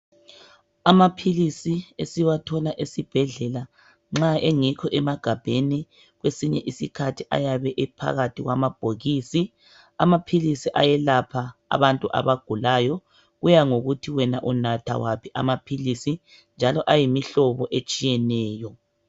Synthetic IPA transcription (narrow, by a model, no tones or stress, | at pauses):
amapʰilisiesiwatʰɔlaʔesib̥ʱɛɮɛla | ŋ͡ǁaeŋikʰɔʔɛmaɡ̥ʱab̥ʱeni | ɣwesiɲɛʔisikʰatʰiʔa̰jaβɛʔɛpʰa̰ɣatʰiɣwamab̥ʱoɣiːsi | amapʰilisiʔajɛlapʰa̰ːβantʼuʔa̰βaɡ̥ʱulajɔ | ɣujaŋoɣutʰiwɛnaʔunatʰa̰wapʰiʔamapʰilisi | nd͡ʒʱalɔʔajimiɬɔβɔʔet͡ʃʼijɛnɛːjɔ